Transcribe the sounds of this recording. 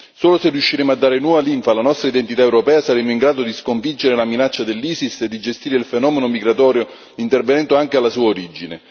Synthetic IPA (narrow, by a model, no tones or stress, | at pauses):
soːloserjuʃːiɾemoad̪ːaːɾenwɔːvaliɱfalanɔst̪ɾaid̪ent̪it̪aewɾopɛːasaɾemːoiŋɡɾaːd̪od̪iskoɱfid͡ʒeɾelaminat͡ʃːad̪elːiːsisːed̪ːid͡ʒest̪iːɾeilfenɔːmenomiɡɾat̪ɔːɾjo | int̪ervenɛnt̪oaŋk̟ealːasuːaoɾid͡ʒine